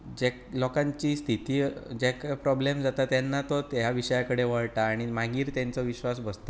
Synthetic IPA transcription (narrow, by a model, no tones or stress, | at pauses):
d͡ʑeklɔkãɲt͡ɕiːst̪ʰit̪iːd͡ʑekapɾɔblemd͡zat̪at̪janːat̪ɔt̪jaʋiɕəjakəɽeʋəɭʈaːɽ̃imãŋɡiːɾt̪jant͡sɔʋiɕʋasbəst̪ḁ